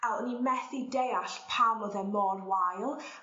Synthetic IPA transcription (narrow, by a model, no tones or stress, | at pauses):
ɛlənimɛθidejaɬpʰamɔðɛmɔːnwajlˠ